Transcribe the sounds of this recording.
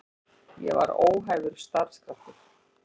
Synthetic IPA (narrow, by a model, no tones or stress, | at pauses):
jɛva̰ɾoːwɦajɣʏɾ̥st̪aɾskɾaft̪ʏɾ̥